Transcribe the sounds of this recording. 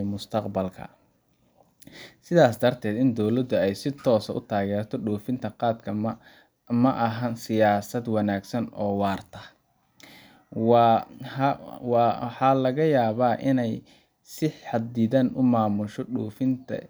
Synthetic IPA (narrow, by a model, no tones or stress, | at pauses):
mʊst̪ʰɐqbɐlkʰɐ̰ | sɪðaːsd̪ɐrt̪ʰɛːd̪ɪnd̪ɔwlɐd̪ʊɛjsɪt̪ʰɔːsɐʔʊ̰t̪ʰaːɣɛːɾt̪ʰɔɖuːfɪnt̪ʰɐqɑːd̪kʰɐ | mɐʔɐɦɐnsɪjaːsɐd̪wɑnaːɡsɐnɔːwɑːrt̪ʰɐ | w | wħɑːlɐɣɐjaːβaːʔɪnɛj | sɪħħɑd̪iːðɐnʔʊmaːmʊʃɔɖuːfɪnt̪ʰɐ̰